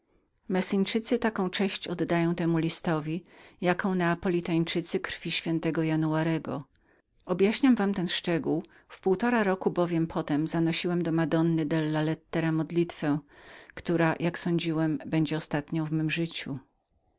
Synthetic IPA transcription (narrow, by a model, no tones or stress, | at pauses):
mɛsiɲt͡ʂɘt̪sɘt̪akɔ̃w̃t͡ʂɛ̃ɕt͡ɕɔd̪ːajɔ̃w̃t̪ɛmulʲist̪ɔvʲijakɔ̃w̃nɛapɔlʲit̪aɲt͡ʂɘt̪sɘkɾfʲiɕfʲjɛnt̪ɛɡɔjanuaɾɛɡɔ̰ | ɔbʲjaɕɲamvamt̪ɛnʂt͡ʂɛɡuw | fpuwt̪ɔɾaɾɔkubɔvʲjɛmpʰɔt̪ɛmzanɔɕiwɛmd̪ɔmad̪ɔnːɘd̪ɛlːalɛt̪ːɛɾamɔd̪lʲit̪fɛkt̪uɾajʔaksɔɲd͡ʑiwɛmbɛɲd͡ʑɛɔst̪at̪ɲɔ̃w̃vmɘmʐɘt͡ɕu